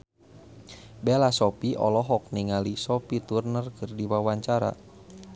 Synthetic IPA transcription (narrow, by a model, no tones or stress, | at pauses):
bɛlasɔpiʔɔ̰lɔɦɔk̚niŋalisɔpit̪urnərkɨrdiwawaɲt͡ʃaɾa̰